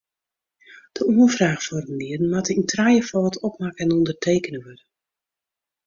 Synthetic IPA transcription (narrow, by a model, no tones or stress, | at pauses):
d̥əuəfraːxfɔrənliədən̩matəintrajəfɔːtɔpmakɛnɔndərtʰeːkənəʋørə